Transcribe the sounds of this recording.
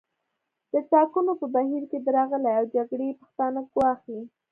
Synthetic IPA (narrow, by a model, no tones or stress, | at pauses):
d̪̥ət͡sɑkunopəbahiɾked̪əɾɑɣəleawd͡ʒaɡɽepə̥xt̪ɑnaɡwɑxi